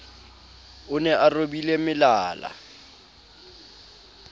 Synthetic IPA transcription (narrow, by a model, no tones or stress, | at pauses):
ʊnɛʔarobilemɪlaːla̰